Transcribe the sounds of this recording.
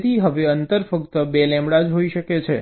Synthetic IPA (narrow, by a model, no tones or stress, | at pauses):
t̪ʰiɦəʋeənt̪əɾfəkt̪əbelɛ̃mbɽad͡ʒɦoiʃəket͡ʃʰe